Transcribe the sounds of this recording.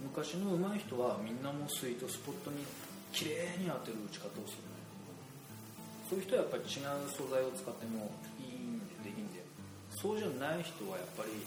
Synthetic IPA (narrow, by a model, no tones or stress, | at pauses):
mɯ̟kaɕino̞ɯ̟maiçi̥t̪o̞βamʲĩnːamo̞sɨit̪o̞sɨ̥po̞t̪ːo̞ɲ̟i | kʲiɾeːɲ̟iat̪e̞ɾɯ̟ɯt͡ɕi̥kat̪aosɨɾɯnai | sojɯ̟çi̥t̪oajapːaɾʲit͡ɕiɡaɯ̟so̞zaio̞t͡sɨ̥kat̪ːe̞mo̞ | iːnd̪ed̪e̞kʲĩnd̪e | so̞ːʑanaiçi̥t̪o̞β̞ajapːaɾʲi